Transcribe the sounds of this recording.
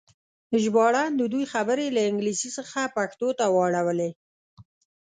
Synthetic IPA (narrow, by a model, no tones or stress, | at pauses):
ʒbɑɽand̪əd̪ujxabəɾelaɪŋɡlisisəxapaxt̪ot̪awɑɽawəle